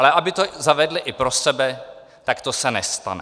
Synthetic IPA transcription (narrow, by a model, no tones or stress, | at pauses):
lɛʔabɪt̪ozavɛdlɪʔɪpɾosɛbɛ | t̪akt̪osɛnɛst̪a̰n